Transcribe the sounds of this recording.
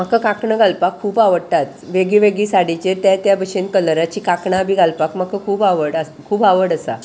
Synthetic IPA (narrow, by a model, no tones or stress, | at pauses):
m̤akəkakɳəɡʱalpakʰːuːbaʋəɽt̪at̪ʋeɡiʋeɡiːsaɽit͡ɕet̪jat̪jabəɕenkələɾat͡ɕiːkakɳabʱiɡalpakm̤akʰəkʰuːbaʋəɽə | kʰuːbaʋəɽəsa̰